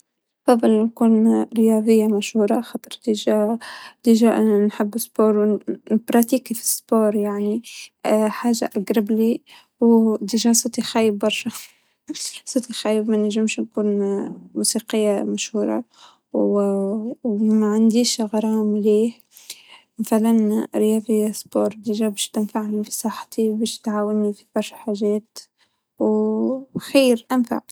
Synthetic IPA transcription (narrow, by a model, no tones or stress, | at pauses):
fɑd̪ˤːɑlnkuːnɾɪjɑːðˤɪjːamaʃhuːɾˤɑxɑːt̪ˤɾˤt̪iʒat̪iʒaʔnħɪbːɪspoːɾwnbɾˤɑt̪iːkifi̥spoːɾjaʕni | ħaːʒa̰ʔaɡɾɑbli | wd̪iʒasˤɨt̪ˤixajɪbːɑɾˤʃa | sˤɨt̪ixaːjːɪbmanʒɪmʃnkuːnmuːsiːqɪjːamaʃhuːɾˤɑ̰ | wmaʕand̪iːʃɣɑɾˤɑːmliːh | maθalanɾɪjɑːfisboːɾˤd̪iʒabiʃt̪ɪnfaʕnifisˤɑħt̪ibɛːʃt̪ʕaːwɪnːifib̥ɑɾˤʃaħaːʒɛːt̪ | w | xiːɾʔanfa̰ʕ